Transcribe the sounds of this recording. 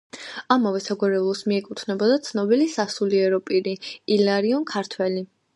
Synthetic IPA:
amavɛsaɡwaɾɛvlˠɔsmiɛkʼut̪ʰnɛbɔd̪at̪sʰnɔbilisasuliɛɾɔpʼiɾiilaɾiɔnkʰaɾt̪ʰwɛli

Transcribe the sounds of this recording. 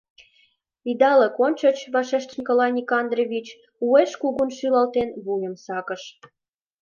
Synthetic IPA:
id̪ɑlə̆konʲt͡ɕə̆t͡ɕβɑʃeʃt̪nʲikolɑnʲikɑnd̪roβʲit͡ɕ | ueʃkuɣunʃylɑlt̪enβujə̆msɑkə̆ʃ

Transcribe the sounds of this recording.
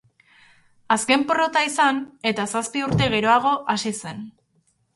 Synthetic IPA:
aske̞mporo̞t̪aisane̞t̪asaspiuɾt̪e̞ɣe̞ɾo̞aɣ̞o̞ʔasise̞n

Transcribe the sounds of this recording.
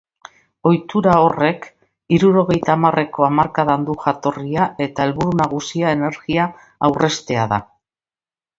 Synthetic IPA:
o̞jt̪uɾao̞re̞k | iɾuɾo̞ɣ̞e̞jt̪aːmare̞ko̞amaɾkaðand̪uxat̪o̞riae̞t̪ae̞lβuɾunaɣusiae̞ne̞ɾɣiaː | wre̞st̪e̞aða̰

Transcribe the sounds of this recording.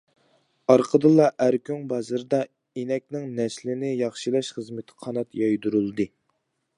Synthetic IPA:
ɑɾqʰəd̪ɨlˠːɑʔæɾkʲʰyŋbɑzɨɾɨd̪ɑ | enɛk̚ʲnɪŋnɛʃlɪnɪjɑχʃilˠɑʃχəzmɪt̪ʰɪ̥qʰɑnɑt̪jɑjd̪uɾulˠɨd̪ɨ

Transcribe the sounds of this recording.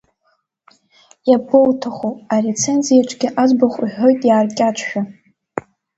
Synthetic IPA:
jabowtʰaχuare̞t͡sʰe̞nzijaʈ͡ʂʷʰʼɡʲɪʔazbaχʷiħʷᶣo̞jtʼjaːrkʲʼat͡ʃʷʰᶣa

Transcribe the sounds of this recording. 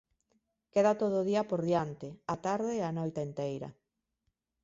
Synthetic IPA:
keðat̪oðoʊð̞iɐpoɾðiant̪ɪat̪aɾðeːanɔjt̪aent̪ejɾɐ̰

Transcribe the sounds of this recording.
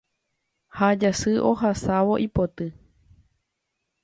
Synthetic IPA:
had͡ʒasɨʔohasaʋo̞ʔipot̪ɨ

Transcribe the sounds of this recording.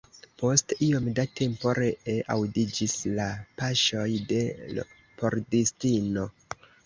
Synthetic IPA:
po̞stiomdatʰe̞mpo̞ɾeeʔawdid͡ʒislapaʃo̞jde̞ | po̞ɾdistino̞

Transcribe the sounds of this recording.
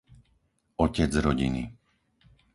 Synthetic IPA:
ɔcɛd͡zɾɔɟḭnḭ

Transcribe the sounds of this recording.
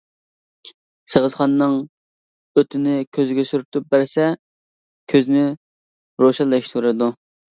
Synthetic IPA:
səʁəzχɑnnːɨŋ | øt̪ʰɪnɪkʲʰøzɡʲɛsyɾt̪ʰup̚bæɾsɛ | kʲʰøznɪ | ɾoʃɛlːˠɑʃt̪ʰuɾɨd̪u

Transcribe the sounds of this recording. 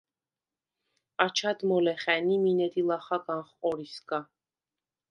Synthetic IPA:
at͡ʃʰad̪mɔlɛχɛniminɛd̪ilˠaχaɡanχqʼɔɾisɡa

